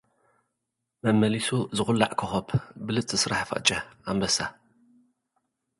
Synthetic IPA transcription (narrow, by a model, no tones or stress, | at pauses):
mɐmːɐlisuzɨxʷʊlːaʕkʰɐxɐpʰbɨlɨt͡sʼɨsɾaħfɐ̰ʔt͡ʃʼɐambɐsa